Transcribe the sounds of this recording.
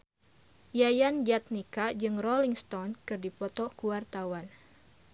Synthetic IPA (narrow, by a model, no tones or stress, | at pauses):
jajand͡ʒat̪̚nikad͡ʒɨŋrɔliŋst̪ɔnkɨrdipɔt̪ɔkuwart̪awan